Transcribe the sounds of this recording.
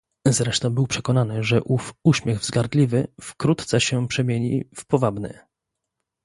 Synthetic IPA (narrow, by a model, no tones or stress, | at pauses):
zɾɛʂt̪ɔ̃bɘwpʂɛkɔnanɘʐɛʔufuɕmʲjɛɣvzɡaɾd̪lʲivɘfkɾut̪t̪sɛɕɛpʂɛmʲjeɲḭfpɔvabnɛ̰